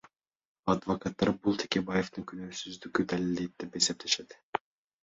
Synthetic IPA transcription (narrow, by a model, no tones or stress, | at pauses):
ɑd̪vokat̪ːɑɾbulˠt̪ʰekʲe̞baje̞ft̪ɯŋkʰynøːsyzd̪ykyd̪ælild̪et̪̚d̪epe̞se̞p̚t̪ʰe̞ʃe̞t̪